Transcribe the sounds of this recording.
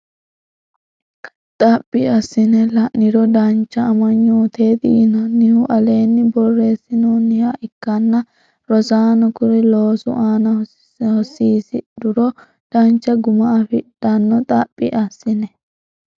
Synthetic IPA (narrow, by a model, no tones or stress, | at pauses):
t̪ʼɐpʼːɪɐsːɪnɛlɐʔnɪɾɔd̪ɐnt͡ʃːɐːmɐɲːuːt̪e̞ːd̪iːnɐnɪhʊʔɐle̞ːnːɪbɔrːe̞ːsːɪnoːnːɪhaʔɪkːɐnːɐ | ɾɔsaːnɔkʊɾɛloːsʊ̰ʔaːnɐ | hɔsːiːsɪd̪ʊɾɔ | d̪̥ɐnt͡ʃːɐɡʊmɐɐfɪdɐnːɔt̪ʼɐpʼːɪʔɐsːɪnɛ